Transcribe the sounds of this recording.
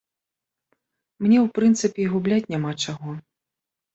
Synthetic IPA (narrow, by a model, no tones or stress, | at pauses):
mnʲɛwpɾɨnt̪sɨpʲɛɣublʲat͡sʲnʲamat͡ʂaɣɔ